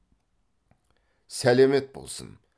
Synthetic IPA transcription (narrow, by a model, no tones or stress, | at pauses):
sælɛmɛt̪̚bo̰lˠsɨ̰n